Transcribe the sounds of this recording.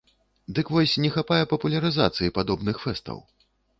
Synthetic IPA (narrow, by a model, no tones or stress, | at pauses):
d̪ɨkvɔsʲnʲɛxapajɛpɐpulʲɐɾɨza̰t̪sɨjipad̪ɔbnɨxfɛst̪ɐ̰w